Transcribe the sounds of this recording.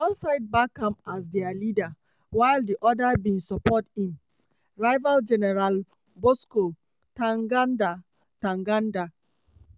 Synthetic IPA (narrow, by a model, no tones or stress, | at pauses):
ɔnsaɪd̚bakʰːãmas̬dɛalida | waɪldiʔɔdabĩnsɔpɔthĩm | ɹaɪvald͡ʒɛnɛɹal | bosko | tãŋɡanda | tãŋɡanda